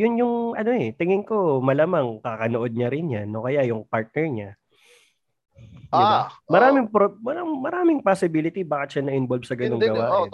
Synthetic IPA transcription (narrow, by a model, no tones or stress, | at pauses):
jʊnjʊŋʔɐno̞ɛt̪ɪŋɪŋko̞mɐlaːmaŋkakɐnoʔod̪̚ɲɐɾɪnjanːo̞kɐjajʊŋpaɹt̪̚nɛɹɲa | amɐɾaːmɪŋpomɐamɐɾaːmɪŋpasɪbiːlɪt̪ibaːkɪt̪ʃanɐʔɪnbolbsɐɡɐnoŋɡɐwaːʔɪn